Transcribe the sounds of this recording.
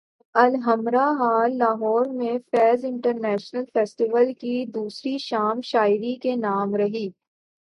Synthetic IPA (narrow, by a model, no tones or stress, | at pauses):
ɐlɦɐmɾaɦaːlːaːɦɔːɾmẽfɛːzɪ̃ɳʈəɾnɛːʃnəlfɛːsʈiʋəlkid̪uːsɾiʃaːmʃaːɪɾikenaːmɾɐɦiː